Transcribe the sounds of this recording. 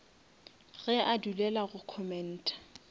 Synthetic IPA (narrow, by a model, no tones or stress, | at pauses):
ɣɛʔadulɛlaɣʊkʰɔmɛn̩ːtʼḁ